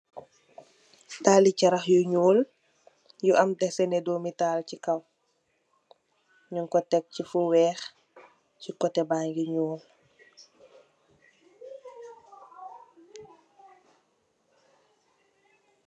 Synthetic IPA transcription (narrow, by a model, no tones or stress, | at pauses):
taːlicɐɾɐxjuɲuːl | juʔɐmtɛsɛnɛdoːmitaːlcikɐw | ɲuŋkɔtɛk̚cifuwɛːx | cikɔtɛbaːŋɡiɲuːl